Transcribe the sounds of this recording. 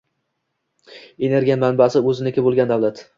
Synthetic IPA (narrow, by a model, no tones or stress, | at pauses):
ene̞ɾɡʲijamanbasɪɵzɪnekʲabolˠɡʲand̪avlat̪